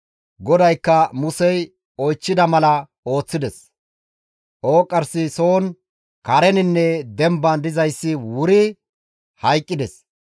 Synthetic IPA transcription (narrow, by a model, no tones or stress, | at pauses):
ɡɔd̪ɐjkːɐmʊsɛj | ɔjt͡ʃːɪd̪ɐmɐlɐ | o̞ːt͡sːɪd̪ɛs | ʔo̞ːkʼːɐɾsɪsoːn | kɐɾɛnɪnːɛd̪ɛmbɐnd̪ɪzɐjsːɪwʊɾɪ | hɐjkʼːɪd̪ɛs